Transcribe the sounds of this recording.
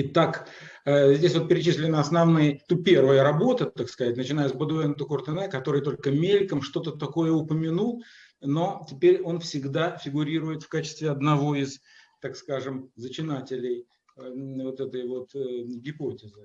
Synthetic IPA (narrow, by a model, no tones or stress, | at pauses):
ɪt̪akəzʲdʲesʲvot̪pʲɪɾʲɪt͡ɕisʲlʲɪnəɐsnɐvnɨjət̪upʲe̞rvəjəɾɐbo̞t̪ət̪akskɐzatʲnət͡ɕɪnajəsbəd̪ʊɛnt̪əkʊrt̪ɨnɛkɐt̪o̞ɾɨjt̪o̞lʲkəmʲelʲkəmʂt̪o̞t̪ət̪ɐko̞jəʊpəmʲɪnulˠ | no̞tʲɪpʲeɾʲo̞nfsʲɪɡd̪afʲɪɡʊɾʲiɾʊjɪt̪fkat͡ɕɪ̥st̪vʲɪɐd̪nɐvo̞iɪz | t̪akskaʐɨmzət͡ɕɪnatʲɪlʲɪj | vo̞t̪ɛt̪əjvo̞t̪ɡʲɪpo̞tʲɪzɨ